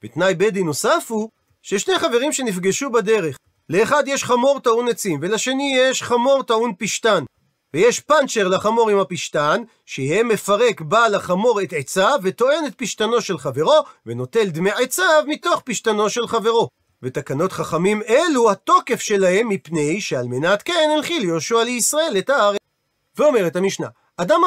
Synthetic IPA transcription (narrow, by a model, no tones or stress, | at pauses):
vet̪najbedino̞safu | ʃeʃne̞jχave̞ʁimʃe̞nifɡeʃubad̪e̞ʁe̞χ | le̞ːχad̪jeʃχamo̞ʁt̪aunet͡simve̞laʃe̞nijeʃχamo̞ʁt̪aunpiʃtan | vejeʃpant͡ʃeʁlaχamo̞ʁimhapiʃtan | ʃeemːefaʁe̞kbalaχamo̞ʁetʕet͡savet̪o̞e̞net̪̚piʃt̪ano̞ʃe̞lχave̞ʁo̞veno̞te̞ld̪meʕet͡savmito̞χpiʃt̪ano̞ʃe̞lχave̞ʁo̞ | vet̪akano̞tχaχamime̞luhat̪o̞ke̞fʃe̞lahe̞mːipne̞jʃealme̞natkenelχiljoʃualeisʁae̞letaaʁ | veo̞me̞ʁethamiʃna̰ː | dam